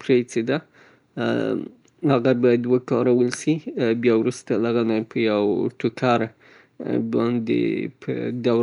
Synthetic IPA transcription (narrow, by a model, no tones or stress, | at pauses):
pɾet͡sed̪a | haɣabɑjad̪ːwakɑɾawəlsibjɑwɾust̪alaɣanajpʰəjaw̰ɾʈ̪ʰukʰaɾ | bɑnd̪ḛpʰə̰d̪aw